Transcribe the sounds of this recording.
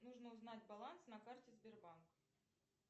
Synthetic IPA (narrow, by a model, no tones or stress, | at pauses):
nuʐnəʊznatʲbɐlˠansnɐkartʲɪzbʲɪrbank